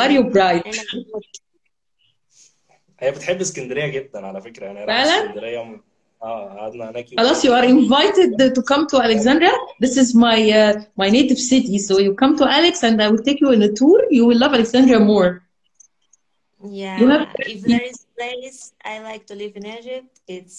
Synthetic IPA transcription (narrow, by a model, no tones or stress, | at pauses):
ɑɾjubɾajd̪ | ʔæjːæbet̪ħebːskænd̪eɾejːæɡed̪ːænʕalæfekɾæanæfæʕlænd̪ɾejːæ | æːaʕad̪nænæxɑlɑsjuʔɑɾʔɪ̃nvajt̪ɪd̪̚t̪okɑ̃mt̪ʰoʔælekzæ̃nd̪ɾæðɪsɪzmajmajneːt̪ɪvsɪt̪isojukɑ̃mt̪oʔæleksæ̃nd̪ajwɪlt̪eːkjuɪ̃net̪uːɾjuwɪlːɑvæleɡz̥æ̃nd̪ɾæmoːɹ | jæjuhævt̪iplesʔa̰jlajk̚t̪ulivnæd͡ʒɪt | ɪts